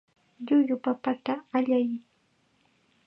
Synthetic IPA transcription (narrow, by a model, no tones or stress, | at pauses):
ʎʊjʊpapat̪aːʎaj